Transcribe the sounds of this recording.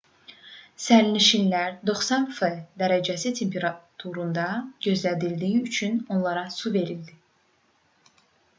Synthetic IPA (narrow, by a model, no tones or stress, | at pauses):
sæɾiniʃinlæɾd̪o̞χsɑnfed̪æɾæd͡ʒæsit̪ʰe̞mpʰeɾɑt̪ʰuɾund̪ɑɟø̞zlæd̪ild̪iiyt͡ʃʰyno̞nlˠɑɾɑsuve̞ɾild̪i